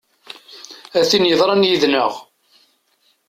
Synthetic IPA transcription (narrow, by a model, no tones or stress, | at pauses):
æθinjəðˤɾˤɑnjiðnəʁ